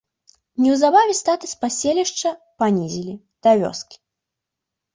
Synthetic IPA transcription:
nʲɛwzabavʲɛst̪at̪ɨspasʲelʲiʂt͡ʂɐ | panʲizʲilʲi | d̪̥avʲɔ̰skʲi̥

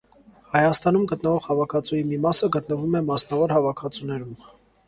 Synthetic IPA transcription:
hɑjɑst̪ɑnumɡət̪nəvɔʁhɑvɑkʰɑt͡sujimimɑsəɡət̪nəvumɛmɑsnɑvɔɾhɑvɑkʰɑt͡sunɛɾum

